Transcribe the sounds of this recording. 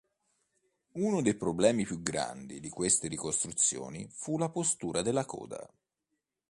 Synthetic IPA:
unod̪ejpɾoblɛːmipjuɡɾa̰nd̪id̪ikwest̪eɾikost̪ɾut̪sːjo̰ːnḭfulapost̪uːɾad̪elːakɔ̰ːd̪a̰

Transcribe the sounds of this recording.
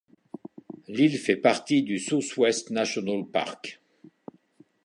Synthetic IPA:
lilfɛpaʁt̪id̪ysuswɛst̪nasjɔnalpa̰ʁk

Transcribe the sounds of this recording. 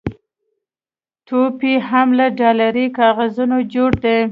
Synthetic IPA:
t̪opiɦamlaɖɑlaɾikɑɣazunod͡ʒoɽd̪e

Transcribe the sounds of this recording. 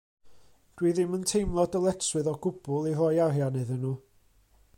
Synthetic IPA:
d̥wiːðɪməntʰejmlˠɔdəlˠɛtswɨðɔɡʊb̥ʊlˠirɔjaɦjanɨðənuː

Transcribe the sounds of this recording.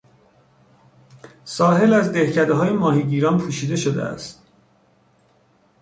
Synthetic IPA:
sɒːɦe̞læzd̪e̞hcʰæd̪eɦɒːjemɒːɦiɟiːɾɒːnpʰuːʃiːd̪e̞ʃod̪ḛæ̰st̪̚

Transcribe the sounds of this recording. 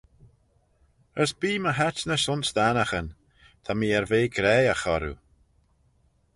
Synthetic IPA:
əsbiːməɦat͡ʃnəʃʊnsd̪anaxən | t̪ʰamiːɛɹveːɡɾɛːəxɔɾṵ

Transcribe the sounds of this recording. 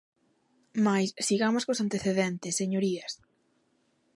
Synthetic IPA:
majssiɣamoskosant̪eθeðɛnt̪esːeɲoɾiɐs

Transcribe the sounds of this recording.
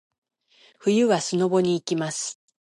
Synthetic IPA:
ɸɯ̟jɯ̟βasɨno̞bo̞ɲ̟iːkʲimasɨ̥

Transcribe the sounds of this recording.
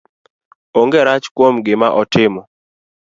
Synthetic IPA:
oŋɡeɾat͡ʃkwomɡɪmaʔɔtɪmɔ

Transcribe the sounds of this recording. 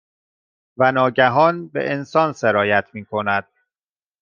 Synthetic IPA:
vænɒːɟæɦɒːnbḛʔensɒːnse̞ɾɒːjæt̪ʰmiːkʰo̞næd̪̥̚

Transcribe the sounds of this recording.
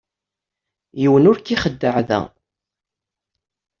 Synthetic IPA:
jiwənʊɾkːiχəd̪ːəʕðæ̰

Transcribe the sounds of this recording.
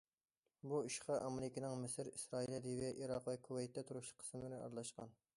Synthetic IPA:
buiʃqʰɑʔɑmelɪkʲinɨŋmɪsɪɾisɾɑːilˠɛd̪ivɛʔiɾɑqvɛkʰuwɛjt̪ʰːɛt̪ʰuɾuʃlqʰə̥smɪnɪɑ̰ɾlˠɑʃqɑ̰n

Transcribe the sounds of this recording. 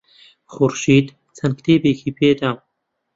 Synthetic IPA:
xuɾʃiːd̪ | t͡sʰɐnkt̪ʰeːbeːkʰiːpʰeːd̪am

